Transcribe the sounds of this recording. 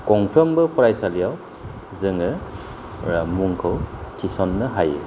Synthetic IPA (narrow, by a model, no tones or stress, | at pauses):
kɔŋpʰɾɔmbɯpɔɾajsalijaw | zɯŋɯ | ɾamuŋkʰɯwtʰisɔnːɯɦajɯ